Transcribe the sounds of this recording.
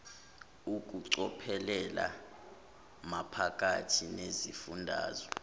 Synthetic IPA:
uk̬ʼuǀɔpʰɛlɛla̰ | mapʰak̬ʼatʰinezifundʱa̰ːzɔ

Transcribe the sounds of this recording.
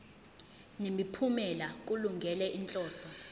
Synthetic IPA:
nemipʰumɛlak̬ʼuluŋɡʱɛlɛʔint͡ɬʼɔːsɔ

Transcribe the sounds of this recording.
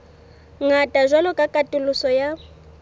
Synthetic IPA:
ŋatʼaʒwalɔkʼakʼatʼɪlʊsɔja

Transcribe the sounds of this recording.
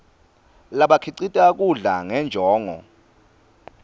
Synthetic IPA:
laɓakʰiǀitʼak̬uɮaŋɛnd͡ʒʱɔːŋɔ̰

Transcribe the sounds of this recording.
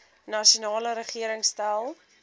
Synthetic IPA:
nɐʃiunɑːləɾəχiəɾəŋstælˠ

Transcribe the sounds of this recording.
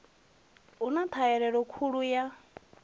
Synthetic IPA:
unat̪ʰaɛɺɛɺɔkʰuɺuja

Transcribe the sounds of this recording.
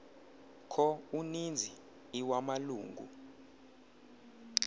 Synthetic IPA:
kʰɔunind͡zʱiː | wamaluːŋɡʱṵ

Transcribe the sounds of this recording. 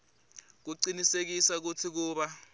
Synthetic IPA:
k̬uǀinisek̬isak̬utʰik̬uːɓa

